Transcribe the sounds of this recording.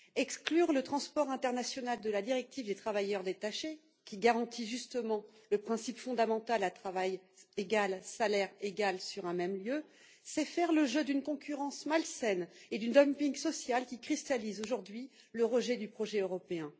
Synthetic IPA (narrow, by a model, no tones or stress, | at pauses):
ɛksklyʁlət̪χɑ̃spɔʁɛ̃t̪ɛʁnasjɔnald̪əlad̪iʁɛk̚t̪ivd̪et̪χavajœʁd̪et̪aʃe | kʲiɡaʁɑ̃t̪ʰiʒyst̪əmɑ̃ləpχɛ̃sipfɔ̃d̪amɑ̃t̪alat̪χavajeɡalsalɛʁeɡalsyʁɛ̃mɛmljø | sɛfɛʁləʒød̪ynkɔ̃kʰʲyʁɑ̃smalsɛned̪ynd̪ɔmpĩŋɡsɔsjalkʲikχist̪alizoʒuʁd̪ɥi | ləʁəʒɛd̪ypχɔʒɛøʁɔpeɛ̃